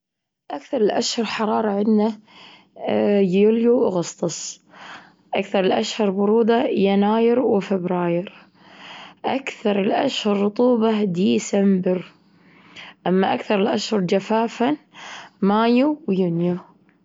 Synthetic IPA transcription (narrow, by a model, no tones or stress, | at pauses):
ʔakθɑɾˤɪlʔaʃhɑɾˤħɑɾˤɑːɾˤɑʕɪd̪na | juljuʔɣɑst̪ˤɑsˤ | ʔakθɑɾˤɪlʔaʃhɑɾˤbʊɾuːd̪ɑjanaːjɪɾwɪfɪbɾaːjɪɾ | ʔakθɑɾˤɪlʔa̰ʃhɑɾˤːʊt̪ˤuːbɑd̪iːsambɪɾ | ʔamːaʔakθɑɾˤɪlʔaʃhʊɾˤd͡ʒafaːfanmaːjuwjʊnju